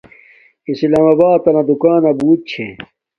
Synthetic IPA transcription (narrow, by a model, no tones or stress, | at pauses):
islaːmɐbaːt̪ɐnɐd̪ukaːnɐbuːt̪̚t͡ɕʰḛ̃